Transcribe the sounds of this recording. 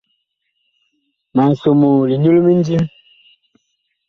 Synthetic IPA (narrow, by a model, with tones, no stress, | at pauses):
ma˨so˨mo˨li˨ɲu˦lu˦mi˦n˦di˦m